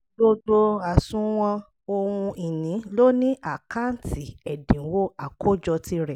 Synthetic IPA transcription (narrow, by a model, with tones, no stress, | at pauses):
bo˧do˧a˨sũ˦w̃ɔ̃˧ | o˧wũ˧i˨nĩ˨˦lo˦nĩ˦ʔa˦˨ka˦n̩˦tʰi˦˨ɛ˨dĩ˨˦wo˦a˨kʰo˦d͡ʒɔ˧ti˧˦ɾɛ˨